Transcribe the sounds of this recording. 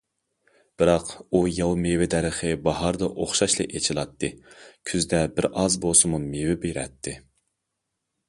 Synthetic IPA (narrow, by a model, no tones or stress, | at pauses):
b̥ɨɾɑqujɑwmewɪd̪æɾəχɨbɑɦɑɾd̪ɑʔoχʃɑʃlˠɨ̰ʔet͡ʃʰilˠɑt̪ʰːɨkʲʰyzd̪ɛbɪɾɑzbosɨmumewɪbeɾɛ̰t̪ʰːɨ